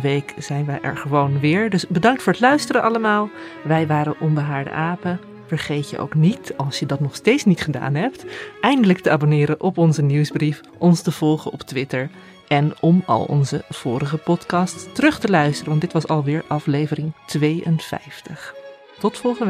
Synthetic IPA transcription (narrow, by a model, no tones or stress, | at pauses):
ʋejkz̥ɛjnʋɛjʔɛ̰ɹχəʋownʋɪːɹdɵsbədɑŋk̚tfʊːɹətlœɥstərəʔɑləmaːlˠʋɛjʋaːɾəʔɔmbəɦaːɹdə̰ʔaːpə | v̥əɹχejtjə̰ʔo̰wknitɑlˠsjədɑtnɔχstejtsnitχəda̰ːnɦɛp̚tɛjndələk̚təaːbonɪːɾəʔɔpɔnzəniwzbrif | ʔɔnstəv̥ɔlˠχəɔptʋɪtəɹ | ʔɛnɔmɑ̰lˠɔ̰nzə̰v̥ʊːɾəχəpɔtkɑːsttərɵχtəlœɥstərəʋɑntdɪtʋɑsɑlˠʋɪːɹʔɑflejvərɪŋtʋejə̰nfɛ̰jftəχ | tɔtfɔlˠχən